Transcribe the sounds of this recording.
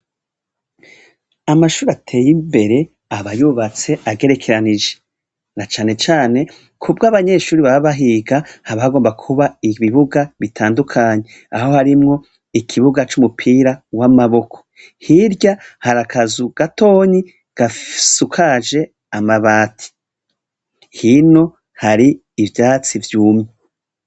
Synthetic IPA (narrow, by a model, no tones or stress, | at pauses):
amaʃuːɾatʰe̞ːjimbe̞ɾe̞ | aβajuβat͡se̞ʔaɡe̞ɾe̞kʰe̞ɾanid͡ʒe̞ | nat͡ʃaːne̞t͡ʃaːne̞ | kʰubɡaβaɲe̞ʃuːɾiβaβaβaɦiːɡahaβaɡo̞ːmbakʰuβaiβiβuɡaβitʰaːndukʰaːɲe̞ | aho̞haɾimŋo̞ | ikʰiβuɡat͡ʃumupʰiːɾawamaβo̞kʰo̥ | hiɾɟahaɾakʰazuɡ̥ato̞ːɲi | ɡ̥afsukʰaʒe̞ | amaβaːtʰi̥ | hino̞ | haɾiː | vjaːt͡sivjuːmɲe